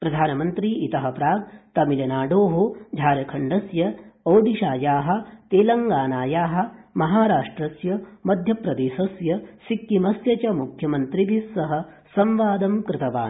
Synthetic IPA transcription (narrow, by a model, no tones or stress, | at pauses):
pɾɐd̪ʱaːnɐmɐnt̪ɾiit̪ɐɦɐ̆pɾaːɡ̚t̪ɐmilɐnaːɖoːɦod͡ʒʱaːɾɐkʰɐɳɖɐsjɐɐwɖiʃaːjaːɦɐ̆t̪eːlɐŋɡaːnaːjaːɦɐ̆mɐɦaːɾaːʂʈɾɐsjɐmɐd̪ʱjɐpɾɐd̪eːsɐsjɐsikːimɐsjɐt͡ʃɐmukʰjɐmɐnt̪ɾibʱisːɐɦɐ̆sɐmʋaːd̪ɐmkɾɪt̪ɐʋa̰ːn